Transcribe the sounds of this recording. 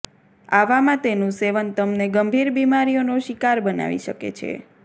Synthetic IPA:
aʋamãt̪enũseʋənt̪əmneɡəmbʱiɾbimaɾijonoʃikaɾbəna̰ʋḭʃəkḛt͡ʃʰḛ

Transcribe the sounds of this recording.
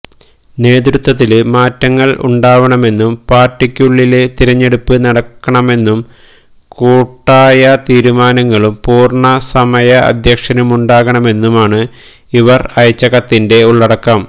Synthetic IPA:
ne̞ːd̪ɾut̪ːɐt̪̬ːilɨmaːtːɐŋːɐɭʔṵɳɖaːʋɐɳɐme̞nːumpaːrʈːikʲːjuɭːilet̪iɾɐɲːe̞ɽupːɨnɐɽɐkːɐɳɐme̞nːum | kuːʈːaːjɐt̪iːɾumaːnɐŋːɐɭumpuːrɳɐsɐmɐjɐɐ̰d̪ʱjɐkʂɐnumuɳɖaːɣɐɳɐme̞nːumaːɳɨ | iʋɐrɐjɐt͡ɕːɐɣɐt̪ːinde̞uɭːɐɽɐkːɐm

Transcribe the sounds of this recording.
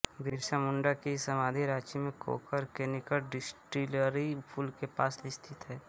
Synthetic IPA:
ɡiːɾʃamʊ̃ɳɖakisəmaːd̪ʱiɾaːt͡ʃimẽkʰo̰ːkəɾkenɪkəlɖɪsʈɾiləɾipʰulkepaːsɪst̪ʰɪt̪ɦɛː

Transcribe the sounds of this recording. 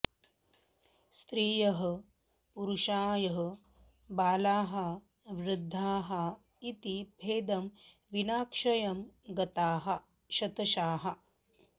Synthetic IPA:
st̪ɾiːjɐɦɐ̆ | puɾuʃaːjɐɦɐ | baːlaːɦɐ | ʋɾɪd̪ʱːaːɦɐ | it̪ibʱeːd̪ɐm | ʋinaːkʂɐjɐmɡɐt̪aːɦɐ̆ | ʃɐt̪ɐʃaːɦɐ̆

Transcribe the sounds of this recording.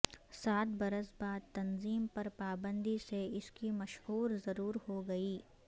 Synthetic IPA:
saːt̪bɐɾəsbaːd̪̚t̪ɐnziːmpɐɾpaːbə̃nd̪iseɪskimɐʃɦuːɾzɐɾuːɾhoɡɐiː

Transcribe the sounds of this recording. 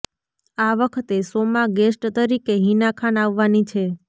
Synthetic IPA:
aʋəkʰt̪esomaɡesʈt̪əɾikeɦinakʰanaʋːanit͡ʃʰe

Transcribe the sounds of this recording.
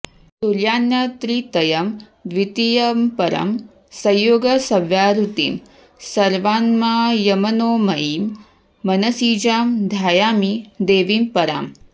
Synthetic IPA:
suɾjaːnjɐt̪ɾit̪ɐjɐm | d̪ʋit̪ijɐmpɐɾɐ̰m | sɐjːoːɡɐsɐʋjaːɾut̪ḭːm | sɐɾʋaːnmaːjɐmɐnoːmɐjiːmː | ɐnɐsiːd͡ʒaːmd̪ʱaːjaːmid̪eːʋiːmpɐɾa̰ːm

